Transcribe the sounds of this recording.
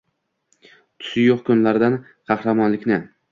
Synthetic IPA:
t̪ʰʊ̥sɪjoqkʰʊnlaɾd̪an | qʰɑhɾamɒnlɪkʲnɪ

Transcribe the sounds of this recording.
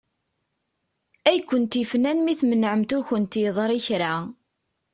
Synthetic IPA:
æjkʷːənt̪ifnænmiθmənəʕəmt̪ʊɾçənt̪jəðˤəɾˤiçɾa

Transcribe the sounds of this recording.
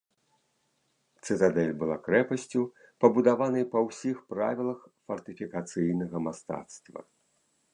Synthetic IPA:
t̪sɨt̪ad̪ɛlʲbɨlˠa̰kɾɛpɐsʲt͡sʲu | pɐbud̪avanɐjpɐwsʲixpɾa̰vʲilˠɐxfɐrt̪ɨfʲikat̪sɨjnɐɣɐmast̪a̰t̪st̪vɐ̰

